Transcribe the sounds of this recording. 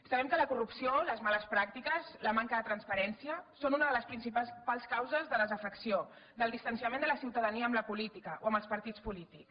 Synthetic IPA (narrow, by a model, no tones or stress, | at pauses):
səβɛmkələkurupsioləzmaləspɾak̚t̪ikəzləmaŋkəðət̪ɾənspəɾɛnsiəsonunəðələspɾinsippalˠskawzəzðəðəzəfəksio | d̪əlˠd̪ist̪ənsiəmẽnd̪ələsiwt̪əðəniəːmləpulit̪ikəʔoəmbəlˠspəɾt̪it͡spulit̪iks